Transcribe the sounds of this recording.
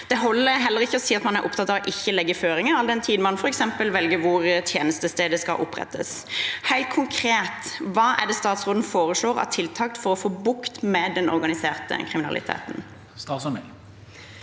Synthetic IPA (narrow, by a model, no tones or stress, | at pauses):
d̪̥ɛɦɔlːəɦɛlːəɾɪçːəɔsiːɑt̪mɑnæɾʔʊpt̪ʰɑt̪ːɑʋɔʔɪçːəlɛɡːəføːɾɪŋəɾɑld̪ɛnt̪ʰiːd̪mɑnfɔɾɛksɛmpəlʋɛlɡəʋʊɾt̪ʰjeːnəst̪əst̪eːd̪əskɑ̰ʔʊpɾɛ̰t̪ʰːə̰s | hæɪlt̪̚kʰʊŋkʰɾeːt̪ʋɑːʔæ̰d̪ɛst̪ɑːt̪sʁoːd̪nəfoːɾəʂɭoːʁɑ̰t̪ʰɪlt̪ʰɑk̚t̪fɔɾɔfoːbʊkt̪mɛd̪ɛnʔɔ̰ɾɡɑnɪseːʁt̪ə̰kʰɾɪmɪnɑ̰lɪ̰t̪ʰḛːt̪n̩ | st̪ɑːsɔm